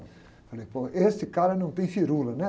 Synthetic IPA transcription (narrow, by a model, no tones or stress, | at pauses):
fɐlejpoʔest̪ɪkaɾɐnɐ̃w̃t̪ẽj̃fiɾulɐnɛ